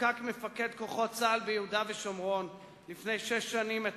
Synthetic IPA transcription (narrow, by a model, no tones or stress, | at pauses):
akmefaked̪ko̞χo̞t͡salbejehudaveʃomʁon | lifnejʃeʃːanimet